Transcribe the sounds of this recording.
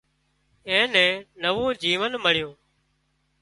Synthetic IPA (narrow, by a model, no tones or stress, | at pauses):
ẽːnɛ̃ːnəʋõːd͡ʒiːʋənməɽ̤ɪjõː